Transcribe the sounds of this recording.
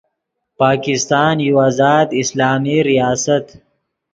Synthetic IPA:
paːkɪst̪aːnjuwaːzɑːd̪ɪslaːmiɾijaːsat̪

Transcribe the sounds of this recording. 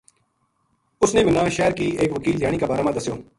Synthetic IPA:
ʊsneːbɪnãːʃɛːɾkiːeːkʋəkiːld̪jaːɽ̃iːkaːbaːɾaːmãːd̪əsjoː

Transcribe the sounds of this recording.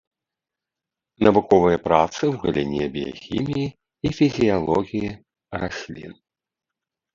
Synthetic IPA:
nɐvukɔvɨjɐpɾat̪sɨwɣɐlʲinʲɛbʲija̰xʲḭmʲijiː | fʲizʲijalˠɔɣʲiji | rasʲlʲḭn

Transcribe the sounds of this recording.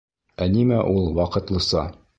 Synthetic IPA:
ænimæʔulˠwɑqɤ̆t̪lˠɤ̆sɑ

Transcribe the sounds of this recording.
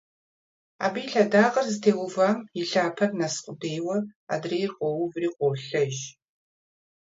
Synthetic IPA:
a̰ːbijɬɐdaːqɐrzɨtʰeːwʊvaːmiɬaːpʰɐrnɐsqʷʼʊdeːjwɐa̰ːdreːjɪrqʷɔwʊvriːqʷɔɬɐʒ

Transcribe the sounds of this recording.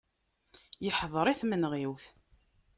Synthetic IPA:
jəħðˤɾˤiθmənʁiwθ

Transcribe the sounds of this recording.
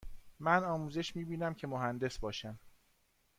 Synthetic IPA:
mænɒːmuːzeʃmiːbiːnæmcʰemoɦænd̪e̞sbɒːʃæm

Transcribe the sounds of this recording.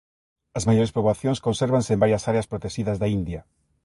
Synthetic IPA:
ɐzmajoɾespɾoβaθjõŋskõnseɾβansembaɾjɐsaɾeɐspɾot̪eʃiðɐzðaind̪jɐ

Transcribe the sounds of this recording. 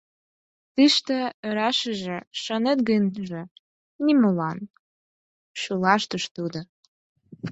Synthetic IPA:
t̪iʃt̪ĕøɾɑʃəʒĕʃənet̪̚ɡənʒe | nimolɑn | ʃylɑʃt̪əʃt̪ud̪o

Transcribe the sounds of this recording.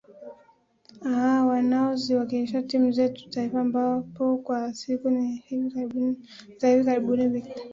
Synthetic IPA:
aɦawanaɔziwakiliʃ̬atimuzɛtu̥taifaːmbapɔkwasikunihiviaizahivikaɾiɓuniviktḁ

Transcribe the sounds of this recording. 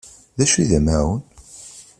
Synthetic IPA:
ðæʃiðæmæwən

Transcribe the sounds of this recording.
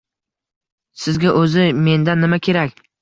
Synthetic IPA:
sɪzɡʲaʔɵzɪme̞nd̪anːɪmakʲʰe̞ɾakʲ

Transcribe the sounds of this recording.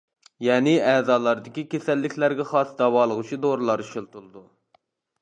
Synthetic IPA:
jɛːnɪɛːzɑːlˠɑɾd̪ɪkʲikʲesɛlːɪkʲʰlæɾɡʲɛχɑsd̪ɑwɑːlˠəʁut͡ʃʰid̪oɾlˠɑɾʃilˠt̪ulˠɨd̪u

